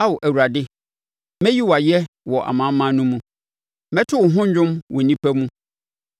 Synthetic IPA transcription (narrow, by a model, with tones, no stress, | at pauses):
a˦wʊ˨ʔæ˨wu˨ɾa˨dɪ˦ | mɛ̃˦ji˦wa˨jɛ˦wɔ˨ʔa̰˨mã˨˦mã˦nũ˦mũ˦ | mɛ̃˦tʰʊ˦wʊ˨ɦʊ̃˦ɲᶣ˦ʊ̃˦mwɔ˨nĩ˦pʰæ˦mũ˦